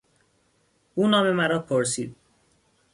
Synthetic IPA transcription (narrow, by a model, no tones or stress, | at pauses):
uːnɒːme̞mæɾɒːpʰoɾs̬iːd̪̚